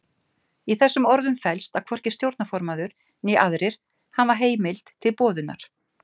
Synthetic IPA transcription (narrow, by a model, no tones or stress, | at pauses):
iθɛsːʏmɔɾðʏmfɛlst̪aðkʰvɔr̥cɪ̥st̪jowɾt̪nafɔɾmaðʏɾ̥ | nɛʔaðɾɪɾ̥ | hanvaɾ̥ɦeːjmɪl̥t̪ʰːɪlpɔːðʏna̰ɾ̥